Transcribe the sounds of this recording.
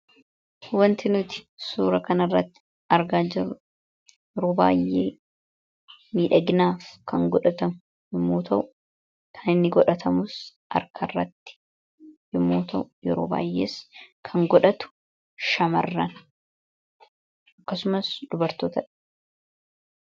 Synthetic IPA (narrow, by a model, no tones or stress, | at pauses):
wɐnt̪ɪnʊt̪ɪ̥suːɾɐkɐnɐrːɐt̪ːɪ̥ | ɐɾɡaːd͡ʒɪrʊ | jɛɾoːba̰ːjːḛː | miːᶑɐɡɪnaːfkʰɐŋɡɔᶑɐt̪ɐmʊ | jɪmːoːt̪ʰɐʔʊ | kʰɐnɪnːɪɡɔᶑɐt̪ʰɐmʊs | ʔɐ̰ɾkʰɐrːɐ̰t̪ːɪ̥ | jɪmːoːt̪ʰɐʔʊjɛɾoːba̰ːjːḛːskʰɐŋɡɔᶑɐt̪ʊ̥ | ʃɐmɐ̰rːɐn | ʔɐkːɐsʊmɐsd̪̥ʊbɐɾt̪oːt̪ɐᶑɐ̥